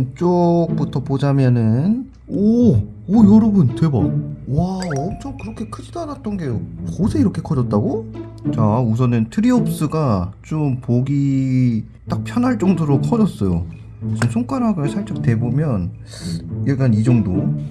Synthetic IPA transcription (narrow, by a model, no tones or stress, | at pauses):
nt͡ɕ͈ok̚p͈utʰʌpod͡ʑamjʌnɯn | ʌː | jʌɾʌbɯntwe̞bʌwaʌt͡ɕ͈omkɯɾʌkʰe̞kʰɯd͡ʑidoanat̚t͈ʌnɡe̞joosʰe̞iɾʌkʰe̞kʰʌd͡ʑʌt̚t͈aɡo | t͡ɕaus̬ʰʌnɯntʰɯɾiʌp̚s͈ɯɡat͡ɕompoɡi | t͈ak̚pʰjʌnɦaɭt͡ɕ͈ʌŋdoɾokʰʌd͡ʑʌs͈ʌjo̰ | sʰɯmsʰoŋk͈aɾaɡɯɭsʰaɭt͡ɕ͈ʌk̚te̞bomjʌn | iɭɡ͈anid͡ʑʌŋdo